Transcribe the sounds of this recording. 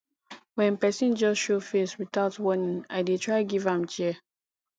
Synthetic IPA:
wɛ̃npɛsĩnd͡ʒɔsʃofeswiθaʊtwɔnĩŋaɪdetʰɹaɪɡivãmt͡ʃɛ

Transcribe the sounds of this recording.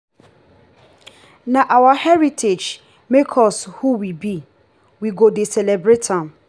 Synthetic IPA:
naʔawahɛɹitʰed͡ʒ | mekʰɔshuwibi | wiɡodesɛlebɹetʰãm

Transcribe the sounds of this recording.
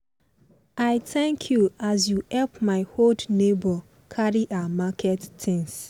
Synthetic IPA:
aɪtɛ̃ŋkʰjuazjuhɛlpmaɪhodnebɔ | kʰaɹiʔamakʰɛtːʰɪ̃ŋs

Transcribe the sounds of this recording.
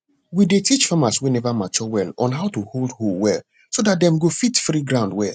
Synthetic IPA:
widetit͡ʃfamaswɛnɛvamat͡ʃɔwɛlɔ̰̃nɦaʊtuholdholwɛl | sodat̚dɛ̃mɡofitfɾiɡɹãʊndwɛ̰l

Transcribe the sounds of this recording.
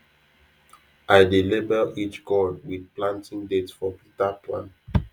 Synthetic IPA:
ʔajdilibəit͡ʃɡɔdwidplãntĩŋdetfɔpitapʰlã̰n

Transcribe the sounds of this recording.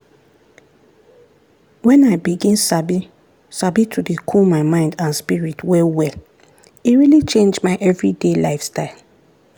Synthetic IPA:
wɛ̃naɪbiɡĩnsabi | sabitʰudekʰumaɪmãɪ̃ndãnspiɹitwɛwɛl | iɹilit͡ʃẽnd͡ʒmaɪʔɛvɹidelaɪfstaɪl

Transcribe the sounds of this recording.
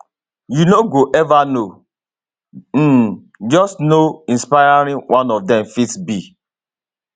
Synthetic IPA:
junoɡoʔɛvano | m̩ | d͡ʒɔstnoĩnspaɪaɾĩwʔãnɔvdɛmfitsbi

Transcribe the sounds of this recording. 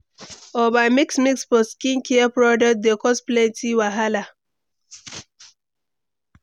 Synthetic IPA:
ɔbamiksmiksfɔskĩnkʰɛapɾɔdɛt̚d̪ekɔspletʰiwaɦala

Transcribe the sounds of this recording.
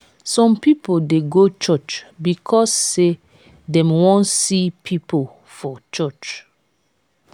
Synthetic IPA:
sɔ̃mpipodeɡot͡ʃɔt͡ʃbikʰɔsːe | dɛ̃mwɔ̃nsipʰipol | fɔt͡ʃɔt͡ʃ

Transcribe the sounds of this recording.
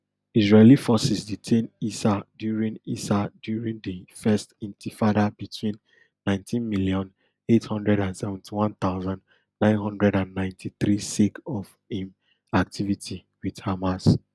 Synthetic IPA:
izɹelifɔsisditʰẽnisadjuɹĩnisadjuɹĩŋdifɛstĩntʰifadabitʰwĩnː | ãɪ̃ntʰĩnmiljɔ̃n | ethɔ̃ndɹɛɾãnsɛvɛ̃ntʰiwɔ̃nt̪aʊzãn | nãɪ̃nɦɔ̃ndɹɛdãnːãɪ̃ntʰiθɾisikɔv | ĩm | ak̚tʰivitʰi | widhamas

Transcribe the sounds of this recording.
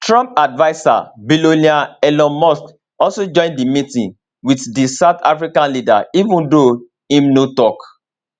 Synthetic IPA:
tɹɔ̃mp̚advaɪsa̰biloniaɛlɔ̃mɔsk | ɔlsod͡ʒɔ̃ɪ̃ndimitĩn | witdisaʊtafɹikãnlida̰ivũndo | ĩmnotɔk

